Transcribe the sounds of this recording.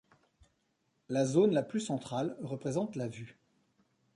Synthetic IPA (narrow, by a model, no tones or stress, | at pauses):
lazonlaplysɑ̃t̪χalʁəpχezɑ̃t̪lavy